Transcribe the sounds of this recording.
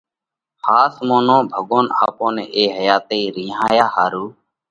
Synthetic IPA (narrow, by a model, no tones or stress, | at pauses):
haːsmoːnõːbʱəɠoːna̰ːpõːnḛ̃ːʔeːɦəjaːt̪eːɾĩːɦaːjaːhaːɾuː